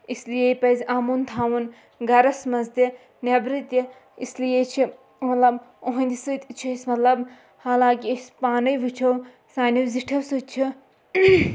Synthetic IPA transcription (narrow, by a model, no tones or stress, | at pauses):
islijejpɐzʲaːmunt̪ʰaːʋun | ɡɐɾɐsmɐzd̪i | nebɾit̪i | islijet͡ʃʰi | mɐt̪lɐboɦɐ̃nd̪isɨt̪ʲt͡ʃʰismɐt̪lɐb | haːlaːkiisʲpaːnɐjʋit͡ʃʰɐw | saːniwziʈʰɐwsut͡ʃʰi